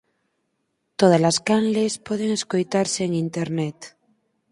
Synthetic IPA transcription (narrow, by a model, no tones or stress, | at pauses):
t̪oðazlaskanlespoðeŋeskojt̪aɾseːŋint̪eɾnet̪